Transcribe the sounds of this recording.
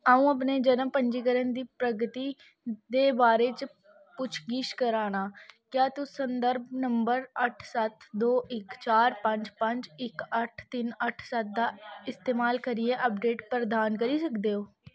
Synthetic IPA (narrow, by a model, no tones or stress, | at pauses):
aːũːəp̬neːd͡ʒənəmpəɲd͡ʒiːɡəɾənd̪iːpɾəɡt̪iː | d̪eːbaːɾeːt͡ʃ | pʊt͡ʃʰɡiːʃkəɾaːɽ̃aːkjaːt̪usənd̪əɾb̚nəmbəɾəʈʰsət̪ʰd̪oːʔɪkt͡ʃaːɾpə̃ɲd͡ʒpəɲd͡ʒɪkəʈʰt̪ɪnəʈʰsət̪̚d̪aːɪst̪eːmaːlkəɾɪeːʔəp̚ɖeːʈpɾəd̪aːnkəɾiːsəkd̪eːoː